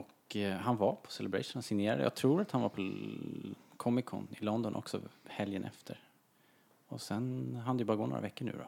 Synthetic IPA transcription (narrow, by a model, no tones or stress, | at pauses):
ɔkɦanvaɾpʰɔ̥sɛlɛbɾɛ̰ʂnasɪŋneːɾad̪ə̰jɑ̰ːt̪ʰɾuːɾat̪hanvaɾpʰɔ | kʰɔmɪkʰɔ̰nɪlɔnd̪ɔnʔɔ̰ksɔ̰hɛljənʔɛ̰ft̪ʰəɾ | ɔsɛnɦand̪əjʏbɑːɾaɡoːno̰ːɾavɛkːəɳʉ̟ːɾɔ̰